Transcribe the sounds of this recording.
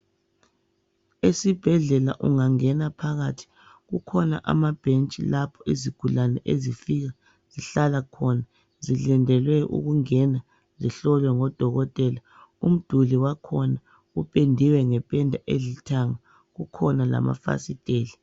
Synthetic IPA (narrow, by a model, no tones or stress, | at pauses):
esib̥ʱɛɮɛlaʔṵŋaŋɛnapʰaɣatʰi̥ | ɣukʰɔna̰ʔa̰mab̥ʱent͡ʃʼilapʰɔiziɡ̥ʱulanɛʔezifiɣa | z̥iɬalakʰɔna | zilɛndʱɛlwɛʔṵɣuŋɛna | ziɬɔlwɛŋɔd̥ʱɔɣɔtʼɛla | um̩d̥ʱuliwakʰɔna | upʼendʱiwɛŋɛpʼɛndʱaʔeɮitʰaŋa | ɣukʰɔnala̰ma̰fa̰sitʼeːli